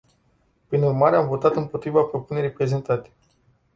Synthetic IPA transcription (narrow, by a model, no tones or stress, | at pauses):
pɾinurmaɾe̞amvo̞t̪at̪ɨnpo̞t̪ɾivapɾo̞pune̞ɾijpɾe̞ze̞nt̪at̪e̥